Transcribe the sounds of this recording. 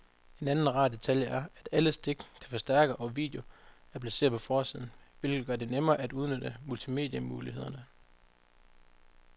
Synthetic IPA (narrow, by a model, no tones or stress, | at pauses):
e̝nænn̩ʁɑ̰̈ːd̥e̝t͡sʰæljəæɐæd̥æləsd̥e̝ɡ̥t͡sʰe̝lfɒ̽sd̥æɐɡ̥ɐʔɒ̽ʋḭːd̥jo̝æɐpʰlæse̝̰ːɐpʰɒ̽fɒːsið̞̰ˠn̩ʋe̝lɡ̥ð̩ˠɡɶɐd̥e̝nemɐːʔæd̥uðˠnød̥əmult͡sʰime̝ːd̥jæmuːlihe̝ð̰ˠɐnə